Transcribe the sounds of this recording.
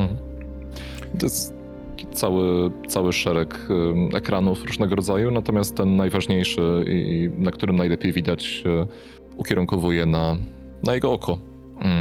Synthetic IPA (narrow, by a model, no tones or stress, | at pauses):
it̪ɔjɛst̪ | t̪akʲi̥t̪sawɘt̪sawɘʂɛɾɛk | ɛ̰kɾanufɾuʐnɛɡɔɾɔd̪zajunat̪ɔmʲast̪ːɛnːajvaʐɲejʂɘḭnakt̪uɾɘmnajlɛpʲjejvʲid̪at͡ɕ | ukʲɛɾuŋkɔvujɛna | najɛɡɔɔkʰɔ | m̩